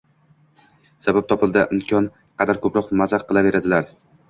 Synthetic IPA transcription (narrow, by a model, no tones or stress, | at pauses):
sabap̚t̪ʰɒpɪlˠd̪aʔɪmkʲʰɒn | qʰɑd̪aɾkʰɵpʰɾɒqmazaqqːɨlˠave̞ɾad̪ɪlaɾ